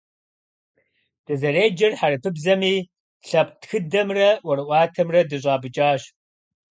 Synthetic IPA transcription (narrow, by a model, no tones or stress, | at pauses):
d̥ɐzɐreːd͡ʒɐrħaɾɨpʰɨbzɐmiː | ɬɐpʼtxɨdɐmrɐwɐɾɨʔʷɑːtʰɐmrɐdɨɕ̬ʷʼɑːbɨt͡ʃʼaːɕ